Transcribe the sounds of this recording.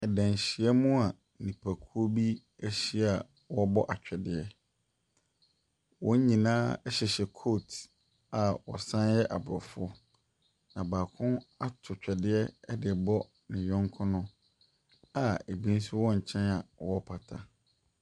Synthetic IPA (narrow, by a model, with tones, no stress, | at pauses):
ɛ˨dɛ̃˨n˨ɕi˨ɛ˦mũ˦a˨ | nĩ˨pʰa˨kʰu˦o˦bi˦ | ɛ˦ɕi˦a˨ | wɔ˦bɔ˦ʔa˨t͡ɕᶣɛ˨dɪ˦ɛ˦ | wɔ̃˦ɲĩ˨nãː˦ɛ˦ɕɛ˨ɕɛ˨kʰo˦˨t | a˨wɔ̰˨sã˦njɛ˦ʔa̰˨bɾɔ˨fʊ˦ɔ˦ | nã˨baː˨kʰʊ̃˦a˦tʰʊ˨t͡ɕᶣɛ˨dɪ˦ɛ˦ɛ˦dɪ˨bɔ˦ | nɪ̃˨jɔ̃˦ŋkʰʊ̃˦nʊ̃˦ | a˨e˨bĩ˦n˦s̬ʊ˦wɔ̃˦ɲ̩˨t͡ɕʰɛ̃˦na˨wɔ˦pʰa˨tʰa˦